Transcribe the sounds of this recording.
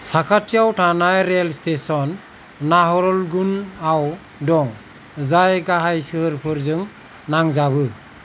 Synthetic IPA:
sakʰatʰiawtʰanajɾelstesɔnː | aɦɔɾɔlɡunaw | dɔŋ | zajɡaɦajsɯɦɯɾpʰɯɾzɯŋ | naŋzabɯ

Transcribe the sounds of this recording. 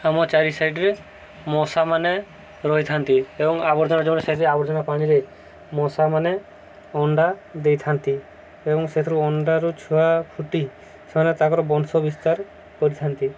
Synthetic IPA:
amɔt͡ʃaɾisajʈɾe | mɔsamane | ɾɔɦijt̪ʰant̪iebɔŋabɔɾd͡ʒɔnad͡ʒɔmnɛsat̪ɾeabɔɾd͡ʒɔnapaɽ̃iɾe | mɔsamane | ɔɳɖad̪ejt̪ʰant̪i | ebɔŋset̪ʰɾuɔɳɖaɾut͡ʃʰuapʰuʈi | semanet̪akɔɾɔbɔnsɔbist̪aɾ | kɔɾit̪ʰant̪i

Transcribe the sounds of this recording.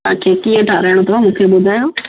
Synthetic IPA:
ãːkʰekiːə̃ʈʰaɾaɪɽ̃õt̪ʰoamũːkʰeɓʊd̪ʱaːjõː

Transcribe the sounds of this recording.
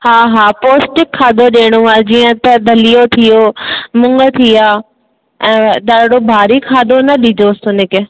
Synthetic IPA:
haːɦaːpoːsʈɪkʰːaːd̪ʱoɗeːɽ̃uaːd͡ʑiːə̃t̪ɐd̪ʱɐlijot̪ʰijoːmʊ̃ŋɡət̪ʰiaː | ɛ̃ːɗ̪aːɽɽobʱaːɾikʰaːd̪ʱonɐɗid͡ʑoːsʊnɪkɪ

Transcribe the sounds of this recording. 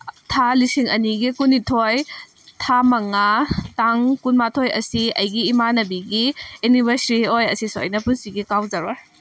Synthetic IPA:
tʰalisiŋɐ̰niɡikunitʰoj | tʰamɐŋataŋkunmatʰojɐ̰siɐjɡiːmanɐbiɡiunibɐɾsiɾiojɐsiso̰jnɐpunsiɡikawzaɾa

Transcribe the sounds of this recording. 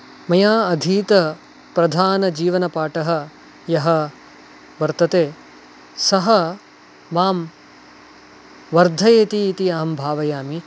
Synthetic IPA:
mɐjaːɐd̪ʱiːt̪ɐ | pɾɐd̪ʱaːnɐd͡ʒiːʋɐnɐpaːʈɐɦɐ̆ | jɐɦɐ̆ | ʋɐɾt̪ɐt̪eː | sɐɦɐ | ʋaːm | ʋɐɾd̪ʱɐjeːt̪iːt̪iɐːɐmbʱaːʋɐjaːmi

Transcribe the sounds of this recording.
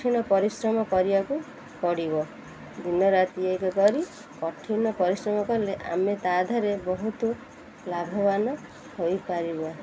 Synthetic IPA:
ʈʰinɔpɔɾisɾɔmɔkɔɾibaku | kɔɽibɔ | d̪inɔɾat̪iejkɔkɔɾi | kɔʈʰinɔpɔɾisɾɔmɔkɔɾleʔa̰met̪ad̪ʱaɾebɔɦut̪u | labʱɔbanɔ | hojpaɾiba

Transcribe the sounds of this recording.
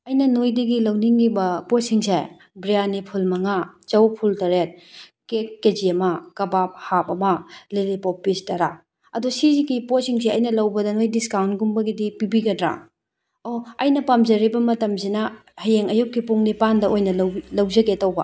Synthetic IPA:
ɐjnɐnojdiɡilɐwniŋːibɐposiŋse | bɾijanipʰulmɐŋat͡ʃɐwpʰultɐɾet̚kekːed͡ʒiɐmakɐbap̚hapɐmɐlelipopːistɐɾa | ɐdusiziɡiposiŋs̬eɐjnɐlɐwbɐdɐnojdiskawntɡumbɐɡidipibiɡɐdɾa̰ | oɐjnɐpamzɐɾibɐmɐtɐmsinɐhɐjeŋɐjukːipuŋnipandɐʔojnɐlɐwlɐwzɐɡetɐwbɐ̰

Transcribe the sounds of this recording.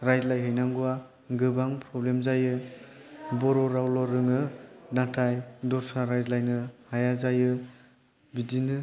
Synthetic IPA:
ɾajzlajɦɯjnaŋɡuwa | ɡɯbaŋpɾɔblemzajɯ | bɔɾɔɾawlɔɾɯŋɯnatʰajdɔɾsaɾajzlajnɯhajazajɯ | bidinɯ

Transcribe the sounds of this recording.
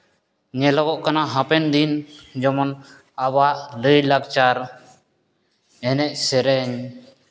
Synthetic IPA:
ɲɛlɔɡɔʔkanaɦãpɛnd̪ind͡ʒɔmɔn | abaʔləjlaɡt͡ʃaɾ | ɛnɛʔ̚sɛɾɛɲ

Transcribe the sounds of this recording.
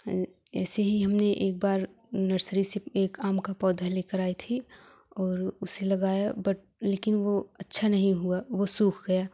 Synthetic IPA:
ɛ̰ːseɦiɦɐmneʔeːk̚baːɾ | nəɾsəɾiseeːkaːmkapɔːd̪ʱaleːkəɾaːit̪ʰi | ɔːɾʊselɐɡaːjabɐʈ̚ | leːkɪnʋoɐtːʃʰanɐɦĩɦuaʋosuːkʰɡɐja

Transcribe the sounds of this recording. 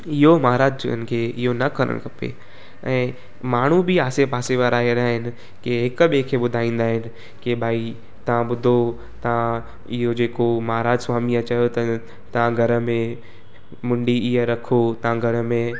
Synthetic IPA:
ɪɦomɐɦaɾaːd͡ʑt͡ɕʊ̰ə̰nɪ̆kʰeːɪɦonɐkɐɾə̰ɽ̰̃kʰɐpḛ | ɛ̃ː | maːɳ̤ubɪaːsepaːseʋaːɾaːɦeɾaːɦɪnɪ̆ | keɦɪkɓiekʰeːɓʊd̪ʱaːĩːn̆d̪aːɦɪnɪ̆ | kebʱaːi | t̪ɐʋ̤ãɓʊd̪ʱo | t̪ɐʋ̤ã | ɪɦod͡ʑeːkomɐɦaɾaːd͡ʒswaːmiɐt͡ɕɐjot̪ɐ | t̪ɐʋãɡʱɐɾə̆mẽ | mʊ̃ɳɖiɪɦeɾɐkʰot̪ɐʋãɡʱɐɾə̆mẽ

